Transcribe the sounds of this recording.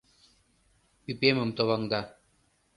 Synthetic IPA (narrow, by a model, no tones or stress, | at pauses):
pipemɘ̆mt̪oβɑŋd̪ɑ